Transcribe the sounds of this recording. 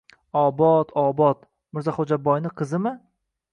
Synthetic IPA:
ɒbɒt̪ʰɒbɒt̪ | mɪɾzaχod͡ʒabɒjnɪqʰɨzɪmɪ

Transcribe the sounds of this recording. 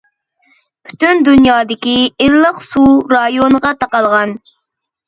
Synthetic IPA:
pʰy̥t̪ynd̪unjɑːd̪ɪkʲiellˠəqsuɾɑjonəʁɑt̪ʰɑqɑlˠʁɑn

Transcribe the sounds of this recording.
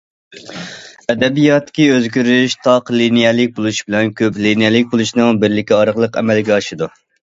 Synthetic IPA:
ɛd̪ɛbijɑt̪ːɪ̥kʲiøzɡʲyɾyʃt̪ʰɑqlinijɛlɪk̚ʲbolˠuʃbɪlɛnkʲʰøplinijɛlɪk̚ʲbolˠuʃnɨŋbɪɾlɪkʲʰiɑɾəʁlˠəqɛ̰mɛlɡʲɛɑʃɨd̪u

